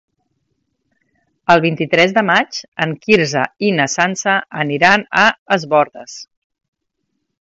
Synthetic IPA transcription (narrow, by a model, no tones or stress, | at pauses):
əlˠβint̪it̪ɾɛzðəmad͡ʒəŋkiɾzəinəsansəəniɾanəəzβɔɾðəs